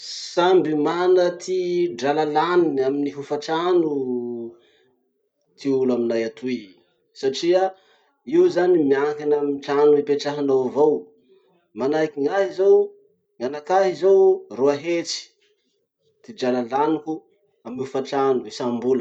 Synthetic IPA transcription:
sambimanət̪ʰiɖ͡ʐalalaniaminiɦufaʈ͡ʂanu | t̪ʰiulaminajat̪ʰuj | saʈ͡ʂia | iuzanimiakanamiʈ͡ʂanuipeʈ͡ʂaɦanowavow | manajkiŋaɦizow | ŋanakaɦizowruaɦet͡si̥ | t̪id͡ʒalalaniku | aminihufaʈ͡ʂanuisambulə

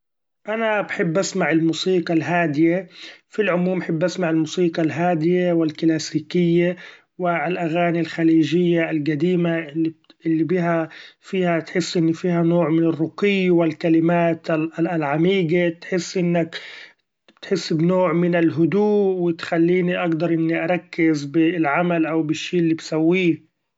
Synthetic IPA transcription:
ʔanabħɪbːʔasmaʕɪlmuːsiːqɑlɦaːd̪ɪjefilʕʊmuːmaħɪbːʔasmaʕɪlmuːsiːqɑlɦaːd̪ɪjewɪlklaːsiːkɪjːa | wɪlʔaɣaːnilxaliːʒɪjːalɡad̪iːmaɪiʔɪlːibiɦafiːhat̪ħɪsːʔɪnːifiːhanoːʕmɪnɪrˤːʊqɪjːwɪlkalɪmaːt̪lʕamiːɡat̪ħɪsːʔɪnːak | t̪ħɪsːbnoːʕmɪnɪlɦʊd̪uːʔwɪt̪xalːiːniʔaɡd̪ɑɾˤʔɪnːiʔɑɾˤɑkːɪzbɪlʕamalʔawbɪʃːiːʔɪlːibsawːiː

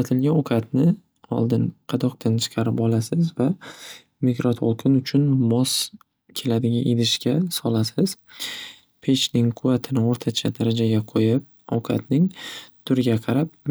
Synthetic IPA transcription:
at̪ʰɪlɡʲanokʰʲat̪nɪ | ɒ̰lˠd̪ɪnqʰɑd̪ɒqt̪ʰant͡ʃʰɨ̥qʰɑɾɪpɒlˠasɪzva | mɪɡɾɒt̪ʰo̰lˠqʰɪnʊt͡ʃʰʊnmɒs | kʲʰe̞lad̪ɪɡʲaʔed̪ɪʃkʲasɒlasɪz̥ | pʰet͡ʃnɪŋqʰʊvat̪ʰɪnɪoɾt̪ʰat͡ʃʰad̪aɾad͡ʒaɡʲaqʰojɪp̚ | o̰kʰa̰t̪nɪŋt̪ʰʊɾɪɡʲaqʰɑɾap̚

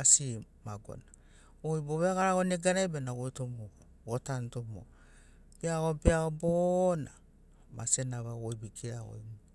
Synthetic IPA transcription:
asi | maɡo̰na | ojboβeaɣaɾaɡoneɡanabenaɡojtomo | otantomo̰ | b̥eaɡobeaobona̰ | ma̰senaβaɡojbikʰeao̰jm

